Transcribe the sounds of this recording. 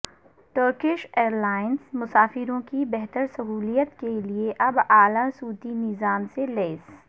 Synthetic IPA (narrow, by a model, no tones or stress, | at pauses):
ʈəɾkɪʃeːɾlaːɪnsmʊsaːfɪɾõkibɛɦt̪əɾsɐɦuːlijət̪kelieʔɐbaːlãsuːt̪inɪzaːmseleːs